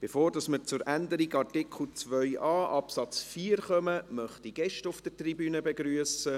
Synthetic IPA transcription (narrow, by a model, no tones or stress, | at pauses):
b̥efoːɾdɑsmət͡sʊɾænd̪əɾiɡɑrtɪkʰl̩ˠt͡sʋœʏɑːʔɑpsɑt͡sfiːɾχœməmœχtiɡ̥ɛʃtʊfd̥ətribyːnəbeɡɾyəsə